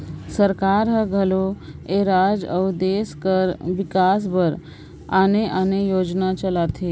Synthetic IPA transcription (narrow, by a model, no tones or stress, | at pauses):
səɾkaɾɦəɡʱəloeɾad͡ʒəwd̪eskəɾʋikasbʱəɾ | aneʔanejod͡ʒnat͡ʃəlat̪ʰe